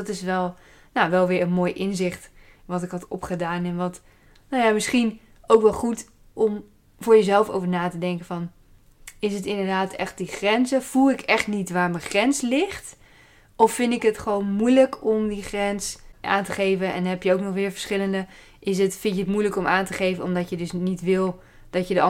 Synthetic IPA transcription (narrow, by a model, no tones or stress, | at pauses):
ɑtɪsʋɛlˠ | naʋɛlˠʋɪːɹənmoːjʔɪnzɪχt | ʋɑtɪkɦɑtɔ̰pχədaːnɛnʋɑt | nawjamɪsχin | owkʋɛlˠχut | ɔm | vʊːɹjəzɛlˠfo̰wvəɹnaːtədɛŋkəvɑn | ɪsətɪndəɹdaːtɛ̰χt̚diχrɛnzəv̥ulˠɪkɛχtnitʋaːɹməχrɛnslɪχt | ɔfːɪndtɪkətχəʋonmujləkʰɔmdiχrɛnsʔa̰ːntəχejvənɛ̰nɦɛpjəowknɔχʋɪːɹvəɹsχɪləndə | ʔɪsətfɪntjəətmujləkɔmaːntəχejvənɔmdɑtjədɵsnitʋɪlˠ | d̥ɑtjədəɑ